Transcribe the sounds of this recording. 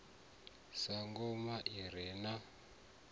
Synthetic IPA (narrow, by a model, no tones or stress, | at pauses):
saŋɡɔmaʔiɾ̤ɛːna